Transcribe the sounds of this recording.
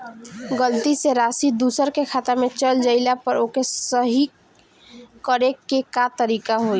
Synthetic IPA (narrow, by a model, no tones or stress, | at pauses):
ɡəlt̪iseɾaːsid̪uːsəɾkekʰaːt̪amẽt͡ʃəld͡ʒəɪlapəɾoːkesəɦi | kəɾekekat̪əɾiːkaɦoi